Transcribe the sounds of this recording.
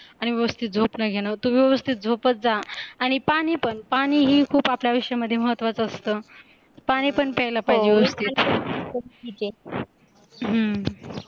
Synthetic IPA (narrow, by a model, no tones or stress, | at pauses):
aɽ̃iʋjəʋəst̪ʰit̪̚d͡zʱopnəɡʱeɽ̃ət̪uʋiʋəʋəst̪ʰit̪̚d͡zʱopət̪̚d͡zaːɽ̃ipaɽ̃ipəɳpaɽ̃iːɦiːkʰuːpapljaʋiʂəjaməd̪ʱːjeməɦət̪ːʋat͡səːst̪əː | paɽ̃iːpəɳpəjlapaɦid͡ʑiːʋəʋəst̪ʰit̪ | id͡ʑe | ɦə